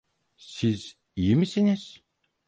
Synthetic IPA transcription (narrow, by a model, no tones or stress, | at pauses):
siz̥ | ijimisiniz̥